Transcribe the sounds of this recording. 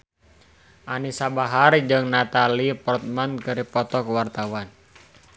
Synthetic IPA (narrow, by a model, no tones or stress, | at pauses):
ʔanisabaɦard͡ʒɨŋnat̪alipɔrt̪̚mankɨɾipɔt̪ɔkwart̪awan